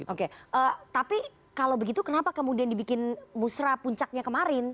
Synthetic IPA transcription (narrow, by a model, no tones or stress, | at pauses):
ʔokeʔət̪api | kalawbəɡit̪ukənapakəmudiandibikɪnmusɾapuɲt͡ʃak̚ɲakəmaɾɪn